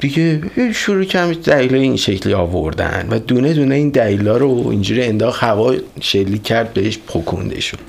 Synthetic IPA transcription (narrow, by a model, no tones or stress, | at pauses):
d̪̥iɟeiʃuɾuːcʰæmd̪æliːlɒːjeinʃecʰliɒːvo̰ɾd̪æ̰nd̪væd̪uːned̪uːneiːnd̪æliːlɒːɾoḭnd͡ʒuːɾiend̪ɒːxhævɒːʃelːiːcʰːæɾd̪̚be̞ɦeʃpʰokʰo̰nd̪ḛʃu̥̰n